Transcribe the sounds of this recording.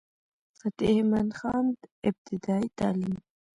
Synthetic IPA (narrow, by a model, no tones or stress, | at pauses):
sat̪ehmanxɑnd̪ɪb̚t̪ɪd̪ɑːit̪ɑːlim